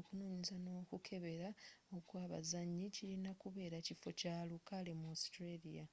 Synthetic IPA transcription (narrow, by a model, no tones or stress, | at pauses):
okunoːɲizano̞ːkukʰe̞βe̞ɾaokwaːβa̰zaɲːiciɾinakuβe̞ːɾacifo̞calukalemostɾelija